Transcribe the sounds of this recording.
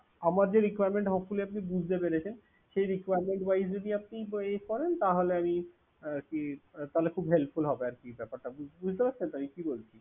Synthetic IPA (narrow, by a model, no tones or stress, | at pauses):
amaɾd͡ʑeɾikwajɾmeɳʈɦɔfuliapnibud͡ʑʱt̪ebeɾet͡ɕʰen | ʃejɾikwajɾmeɳʈbajsd͡ʑod̪iap̚nieʃkɔɾent̪aɦoleami | kit̪aɦolekʰubɦelt̚fulɦɔbeaɾkibɛpaɾʈabubud͡ʑʱt̪epaɾt͡ɕʰent̪amikibolt͡ɕʰi